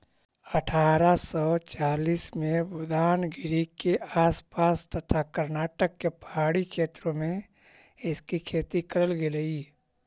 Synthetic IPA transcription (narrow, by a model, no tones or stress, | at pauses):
əʈʰaːɾasɔːt͡ʃaːliːsmẽbʊd̪aːnɡɪɾikeaːspaːst̪ət̪ʰakəɾnaːʈəkːepəɦaːɽikʰeːt̪ɾõmẽ | ɪskikʰeːt̪ikɐɾəlɡeləɡiː